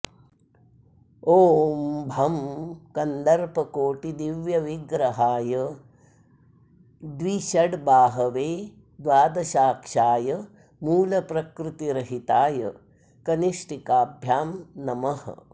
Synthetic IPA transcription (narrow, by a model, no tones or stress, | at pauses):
oːmbʱɐmkɐnd̪ɐɾpɐkoːʈid̪iʋjɐʋiɡɾɐɦaːjɐ | d̪ʋiʃɐɽbaːɦɐʋeː | d̪ʋaːd̪ɐʃaːkʂaːjɐ | muːlɐpɾɐkɾut̪iɾɐɦit̪aːjɐ̰ | kɐniʂʈikaːbʱjaːmnɐmɐhɐ̰